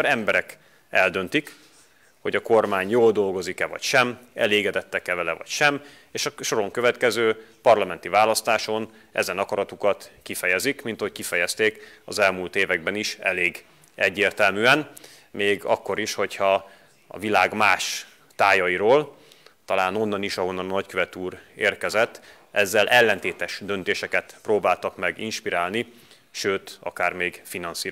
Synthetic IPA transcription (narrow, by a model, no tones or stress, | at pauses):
ɾɛmbɛɾɛk | ɛld̪ø̞nt̪ik | ho̞ɟɒkormaːɲjoːld̪o̞lɡo̞zikɛvɒ̰cʃɛmɛ̰leːɡɛd̪ɛt̪ːɛkɛvɛlɛvɒ̰cʃɛm | eːʃɒʃo̞ɾo̞ŋkø̞vɛt̪kɛzøːpɒrlɒmɛnt̪ivaːlɒst̪aːʃo̞n | ɛ̰zɛnɒkɒɾɒt̪ukɒt̪kifɛjɛzikmint̪ɒho̞c̚kifɛjɛst̪eːkɒzɛlmuːlt̪eːvɛɡ̚bɛniʃɛ̰leːɡ | ɛɟːeːrt̪ɛlmyːɛn | meːɡɒ̰kːo̞ɾiʃho̞chɒ | ɒ̰vilaːɡmaːʃ | t̪aːjɒiɾoːl | t̪ɒlaːno̞nːɒniʃɒɦo̞nːɒnnɒckøvɛt̪uːɾḛːrkɛzɛt̪ː | ɛzːɛlʔɛlːɛnt̪eːt̪ɛʃd̪ø̞nt̪eːʃɛkɛt̪proːbaːlt̪ɒkmɛɡinʃpiɾaːlni | ʃøːt̪ɒ̰kaːrmeːɡfinɒnsiː